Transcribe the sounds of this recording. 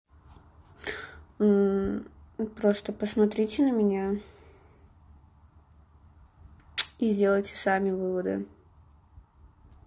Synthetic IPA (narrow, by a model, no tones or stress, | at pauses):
pɾost̪əpəsmɐt̪ɾʲitʲɪnəmʲɪnʲa | izʲdʲelˠəjtʲɪ̥samʲɪvɨvəd̪ɨ̰